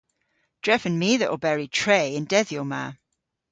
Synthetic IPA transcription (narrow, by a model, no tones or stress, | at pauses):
d̥ɹɛfə̃nmiːðəʔəbɛɹitʰɹ̥eɪə̃ndɛðjɔma̰ː